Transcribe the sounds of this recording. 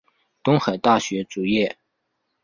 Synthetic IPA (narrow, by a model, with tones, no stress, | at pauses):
t̪ʊ˥ŋxa˨˩ɪt̪a˥˩ɕɥɛ˧˥t͡su˨˩jɛ˥˩